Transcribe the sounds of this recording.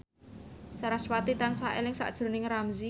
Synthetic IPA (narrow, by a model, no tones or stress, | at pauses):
saɾaswat̪it̪ansaʔelɪŋsa̰ʔd̥ʒ̥o̤nɪŋɾamzi